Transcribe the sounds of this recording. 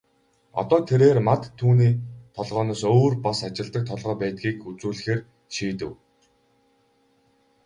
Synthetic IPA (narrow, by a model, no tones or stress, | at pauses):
ɔ̰t̪ɔːt̪ʰeɾeːrmat̪ʰːuːniːt̪ʰɔɮʁœːnɔːsoːrpasat͡ɕɪ̆ɮt̪ə̆k̚t̪ʰɔɮʁœːpæːt̪̚ɡiːkut͡suːɮ̆xeːr | ʃiːt̪ɘ̆w